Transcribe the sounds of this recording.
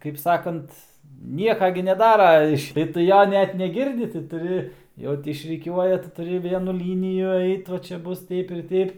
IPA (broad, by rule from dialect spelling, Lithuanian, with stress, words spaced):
kɐɪp ˈsɑːkɐnt ˈnʲiɛkɐ ɡʲɪ nʲɛˈdɑːrɐ ˈɪʃ ɪr tʊ ˈjoː ˈnʲɛt nʲɛˈɡʲɪrʲdʲɪ tɐɪ tʊˈrʲɪ ˈjɛʊ tʲɪ ɪʃʲrʲɪˈkʲuɔjɛ tɐɪ tʊˈrʲɪ ˈʋʲiɛnʊ ˈlʲiːnʲɪjʊ ˈɐɪt ʋɐ ˈt͡ʃʲɛ ˈbʊs ˈtʲɛɪp ɪr ˈtʲɛɪp